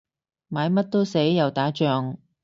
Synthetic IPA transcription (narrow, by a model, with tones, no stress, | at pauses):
maː˨˧˥jmɐ˥t̚t̪o˥wse˨˥jːɐ˨˩wt̪aː˨˥t͡ʃœː˨ŋ